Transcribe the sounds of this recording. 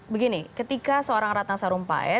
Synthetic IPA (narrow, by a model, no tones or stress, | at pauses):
bəɡinikət̪ikasəoɾaŋɾat̪aŋsaɾumpa̰ɛ̰